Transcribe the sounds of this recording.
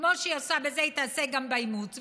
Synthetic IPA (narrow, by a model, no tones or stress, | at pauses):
moʃejasabezeit̪aseɡambaimut̪v